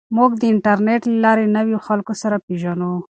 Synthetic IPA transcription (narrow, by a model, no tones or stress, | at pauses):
muɡd̪əɪɳʈaɾneʈlalɑɾenəwjoxalkosaɾapeʒanu